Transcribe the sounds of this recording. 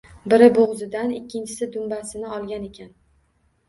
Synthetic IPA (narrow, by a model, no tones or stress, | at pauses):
bɪɾɪboʁzɪd̪anɪkʲːɪnt͡ʃʰɪ̥sɪd̪ʊmbasɪnɪɒlˠɡʲane̞kʲʰan